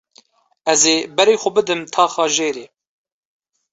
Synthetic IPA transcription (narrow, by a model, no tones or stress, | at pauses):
ɛzeːbɛɾeːxʷʊbɨd̪ɨmt̪ʰɑːxɑːʒeːɾeː